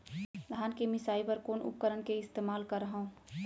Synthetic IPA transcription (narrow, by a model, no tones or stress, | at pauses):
d̪ʱaːnkemɪsaːipəɾkoːnʊ̰p̚kəɾənkeɪst̪eːmaːlkəɾəɦõ